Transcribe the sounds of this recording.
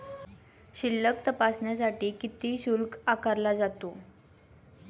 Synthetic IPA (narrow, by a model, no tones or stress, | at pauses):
ɕilːək̚t̪əpasɳjasaʈiːkit̪iːɕulkakaɾlad͡zat̪o